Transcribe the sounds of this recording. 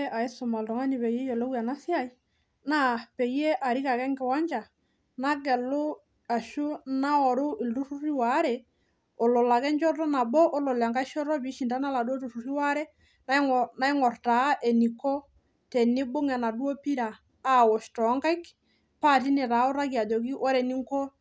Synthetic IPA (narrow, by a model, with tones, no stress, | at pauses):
ʔa˨ɪ˦sʊ˨ma˨ltɔ˨ŋa˦ni˨βɛ˨jɛ˦jɔ˨lɔ˦wa˨na˦sɪ˦a˦˨j | na˦˨pɛ˨je˦ʔa˨ɾi˦ka˨kɛ˦ŋɡɪ˨wa˦ɲd͡ʒa˨ | na˦ɡɛ˨lo˦ | a˨ʃʊ˦na˦ɔ˨ɾʊ˦ɪ˨ldu˦ɾu˦ri˦wa˨˦ɾɛ˨ | o˨lɔ˨la˨kɛ˦nd͡ʒɔ˦tɔ˦na˨bɔ˦ʔo˦lɔ˨la˨ŋka˦ʃɔ˦ɾɔ˦bi˨˦ʃi˨nta˦na˦la˨du˦o˦tu˨su˨ɾi˦wa˦ɾɛ˦ | na˦na˦i˦ŋɔ˨rta˨˦ʔe˨ni˨kɔ˦ | tɛ˨nɪ˦bo˦ŋa˨na˨du˦o˦pi˦ɾaː˨˦˨ | wɔ˨ʃtɔ˨˦ŋka˦jk | pa˦˨ti˦nɪ˨ɾa˨˦o˦ɾa˦ki˨a˨d͡ʒɔ˨ki˦ʔɔ˦ɾɛ˨ni˦ŋkɔ˦